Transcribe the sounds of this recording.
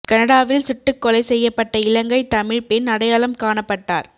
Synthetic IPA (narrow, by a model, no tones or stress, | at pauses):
kɐnɐɽaːʋɪlsɪʈːɯkːɔlɐɪsɛjːɐpːɐʈːɐɪlɐŋɡɐɪt̪ɐmɪɻpɪnnɐɽɐjaːlɐmkaːɳɐpːɐʈːa̰ːɾ